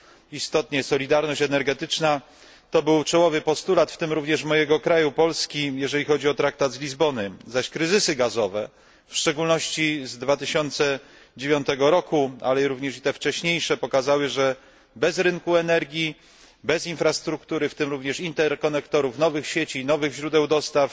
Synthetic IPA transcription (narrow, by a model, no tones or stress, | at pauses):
ist̪ɔt̪ɲɛsɔlʲid̪aɾnɔɕt͡ɕɛnɛɾɡɛt̪ɘt͡ʂna | t̪ɔbɘwt͡ʂɔwɔvɘpɔst̪ulat̪ft̪ɘmɾuvɲɛʂmɔjɛɡɔkɾajupɔlskʲijɛʐɛlʲixɔd͡ʑiɔt̪ɾak̚t̪ad̪zlʲizbɔnɘzaɕkɾɘzɘsɘɡazɔvɛ | fʂt͡ʂɛɡulnɔɕt͡ɕizd̪vat̪ɘɕɔnt̪sɛ | d͡ʑevʲjɔnt̪ɛɡɔɾɔkua̰lɛiɾuvɲɛʂit̪ɛft͡ʂɛɕɲejʂɛpɔkazawɘʐɛ | bɛzɾɘŋkuɛnɛɾɡʲji | bɛzinfɾast̪ɾukt̪uɾɘft̪ɘmɾuvɲɛʂint̪ɛɾkɔnɛkt̪ɔɾufnɔvɘxɕet͡ɕinɔvɘɣʑɾud̪ɛwd̪ɔst̪af